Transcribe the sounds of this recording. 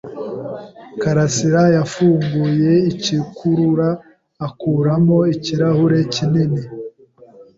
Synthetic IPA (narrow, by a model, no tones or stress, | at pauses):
kaɾasiɾajafuːŋɡuje̞icikʰuɾuɾaː | kuːɾamo̞iciɾahuɾe̞cinini